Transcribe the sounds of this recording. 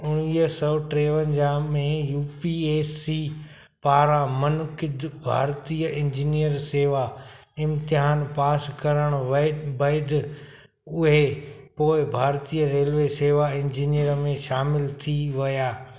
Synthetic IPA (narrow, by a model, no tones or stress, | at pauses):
ʊɽ̃iːəsɔʈɾeːʋənɪ̆d͡ʑamẽjuːpieːsiː | paːɾamɐnkɪd̪bʱa̰ːɾt̪iːəɪ̃ɲd͡ʑiːnijəɾseːʋaɪ̃mt̪ɪɦaːnpaːskɐɾəɽ̃ʋbɐɪd̪ | ʊɦe | poːɪbʱaːɾt̪iːəɾeːlʋeseːʋaɪ̃ɲd͡ʑiːnijəɾəmẽʃaːmɪlt̪ʰiʋɐjaː